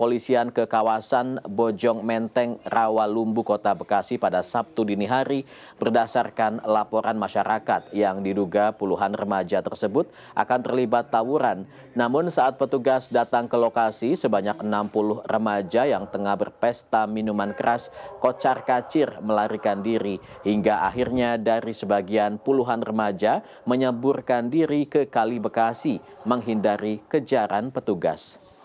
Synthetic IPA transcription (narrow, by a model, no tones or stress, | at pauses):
polisiankəkawasanbod͡ʒɔŋmɛnt̪ɛŋrawalumbukot̪abəkasipadasap̚t̪udiniɦaɾi | b̥ərdasarkanlapoɾanmaʃaɾakat̪̚jaŋdiduɡapuluɦanrəmad͡ʒat̪ərsəbʊt̪̚ | ʔa̰kant̪ərlibat̪ːawuɾanː | amʊnsaat̪̚pət̪uɡasdat̪aŋkəlokasisəbaɲak̚ənampulʊhrəmad͡ʒajaŋt̪əŋahbərpɛst̪aminumankəɾaskot͡ʃarkat͡ʃɪrməlaɾikandiɾi | hiŋɡaʔa̰ɦirɲadaɾisəbaɡianpuluɦanrəmad͡ʒa | məɲəburkandiɾikəkalibəkasiməŋɦindaɾikəd͡ʒaɾanpət̪uɡa̰s